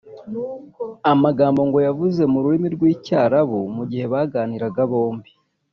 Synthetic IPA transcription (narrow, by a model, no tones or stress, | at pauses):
amaɡaːmbo̞ŋɡo̞javuze̞muɾuɾimiɾɡwiːcaːɾaβumuɟihe̞βaɡaːniɾaɡaβo̞ːmbi